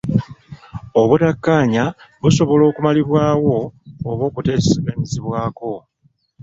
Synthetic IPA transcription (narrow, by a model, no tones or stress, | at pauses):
oβutakːaːɲaβuso̞βo̞lo̞ːkumaliβwaːwo̞ːβo̞ːkute̞ːsseβaɲiziβwaːko̞